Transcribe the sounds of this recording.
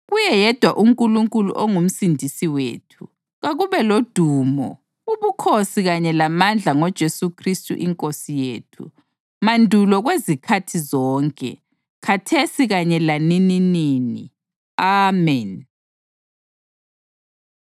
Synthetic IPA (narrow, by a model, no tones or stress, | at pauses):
ɣujɛjɛd̥ʱwaʔumkʼuluŋkʼulṵʔoŋum̩sindʱisiwḛːtʰu | ɣaɣuβɛlod̥ʱuːmɔ̰ | uβukʰosiɣaɲɛlamand͡ɮʱaŋɔd̥ʒ̥ʱesukʰristʼṵʔiŋkʼosijeːtʰṵ | mandʱulɔɣwezikʰatʰizɔːŋkʼɛ̰ | kʰatʰesiɣaɲɛlanininiːnḭ | amɛn